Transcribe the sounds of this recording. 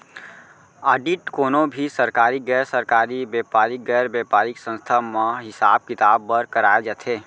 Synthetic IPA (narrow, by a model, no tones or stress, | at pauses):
aːɖiʈkoːnobʱisəɾkaːɾiɡɛːɾsəɾkaɾibjɛpaːɾiɡɛɾbepaːɾiksə̃nst̪ʰameɦɪsaːb̚kɪt̪aːbːəɾkəɾaːed͡ʒat̪ʰɦeː